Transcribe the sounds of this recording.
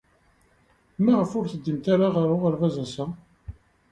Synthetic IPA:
mæʁəfʊɾθəd̪ːimt̪aɾaʁəɾʊʁəɾvæzæsæ

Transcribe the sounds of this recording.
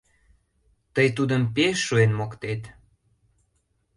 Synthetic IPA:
t̪əjt̪ud̪əmpeʃːuenmokt̪et̪

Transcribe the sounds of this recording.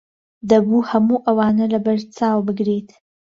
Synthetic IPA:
d̪əbuhamuʔawɑːnəlabəɾt͡sɑwbəɡɾet̪

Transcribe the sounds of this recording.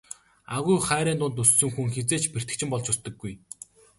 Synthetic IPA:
aɣujχæːɾiːnt̪ʊnt̪ɵsːɵ̆ŋxuŋxet͡seːt͡ɕper̥t̪ɘ̆kt͡ɕʰɪ̆mpɔɮt͡ɕʊst̪ə̆ɡːuj

